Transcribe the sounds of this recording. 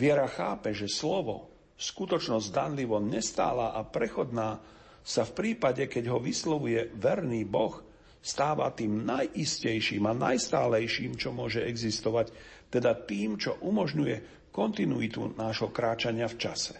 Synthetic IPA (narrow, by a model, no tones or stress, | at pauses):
ʋɪɛɾaxaːpɛʒɛslɔʋɔ̰ | skut̪ɔt͡ʃnɔzɟd̪anliʋɔɲɛst̪a̰ːlaːʔapɾɛxɔd̪naː | safpɾiːpaɟɛkɛɟɦɔʋislɔʋujɛʋɛɾniːbɔx | st̪aːʋa̰t̪iːmnajʔiscɛjʃiːmana̰jst̪aːlɛjʃiːmt͡ʃɔmʊɔʒɛɛɡzist̪ɔʋact̪ɛd̪at̪iːmt͡ʃɔʔumɔʒɲujɛ | kɔnt̪inuit̪ṵnaːʒɦɔkɾaːt͡ʃaɲɪaft͡ʃasɛ̥